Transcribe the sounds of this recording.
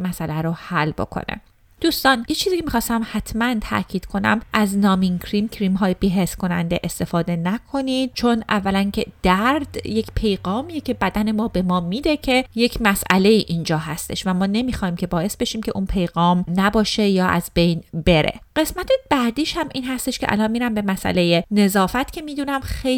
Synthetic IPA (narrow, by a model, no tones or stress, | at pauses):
mæsælæɾohælːbo̞̰kʰo̰nḛ | d̪̥uːst̪ɒːnjet͡ʃʰiziːcʰemixɒːst̪æmhæt̪ʰmænt̪ʰæ̰ʔcʰiːd̪̥kʰo̞næ̰mʔæznɒːmiŋkʰɾiːmcʰɾiːmɦɒːjebiːɦeskʰo̞næ̰nd̪eʔest̪e̞fɒːd̪e̞nækʰo̞niːd̪̥̚t͡ʃʰo̞nʔævːælæncʰe̞d̪̥æɾd̪̥je̞cʰpʰe̞jɣɒːmijecʰʲe̞bæd̪æne̞mɒːbe̞mɒːmiːd̪e̞cʰe̞je̞cʰmæsʔæ̰le̞iːʔiːnd͡ʒɒːɦæst̪e̞̰ʃvæmɒːne̞miːxɒːhiːmcʲʰe̞bɒːje̞sbe̞ʃiːmcʰeʔunpʰe̞jɣɒːmnæbɒːʃe̞jɒːʔæ̰zbe̞jnbe̞ɾḛɢe̞smæt̪ʰeb̥æd̪iːʃhæmʔiːnɦæst̪eʃkeʔæ̰lɒnmiːɾæmbe̞mæsʔæ̰leje̞ne̞zɒːfæt̪cʰe̞miːd̪unæmxe